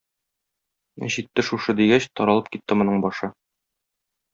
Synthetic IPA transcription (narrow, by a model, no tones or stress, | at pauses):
ʑit̪ːɘʃuʃɤd̪iɡæɕt̪ɒɾɑlˠɤp̚kit̪ːɘmŏnɤɴbɒʃɤ